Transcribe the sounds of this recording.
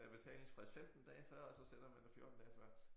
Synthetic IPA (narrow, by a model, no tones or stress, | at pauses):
æb̥e̝t͡sʰɛ̰ːle̝ŋspʰʁisfemd̥n̩d̥ɛ̰ːɪfɶɐ̰ɒ̽sɒ̽senɐmænd̥efjo̝ɐd̥n̩d̥ɛːɪfɶɐ̰